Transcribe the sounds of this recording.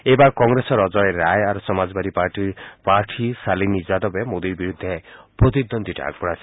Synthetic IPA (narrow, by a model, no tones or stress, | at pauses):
ebaɾkɔŋɾesɔɾɔd͡ʒɔjeɾajaɾusɔmad͡ʒɔbaɾipaɾʈiɾpaɾʈʰisalinid͡ʒad̪ɔbemod̪iɾbiɾud̪ʱːepɾot̪id̪ond̪ʱiʈa̰a̰ɡpɔɾasi̥